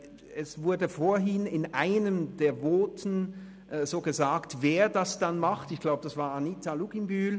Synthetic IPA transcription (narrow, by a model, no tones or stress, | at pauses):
ɛsv̥ʊɐdəfoːɐɦɪnɪnʔaɪnəmdeːɐvoːtʰn̩ | z̥oːɡəzaːktveːɐdasd̥anmaχtɪçɡ̥laʊbəd̥asv̥aːɐanitaluɡ̥imbyːl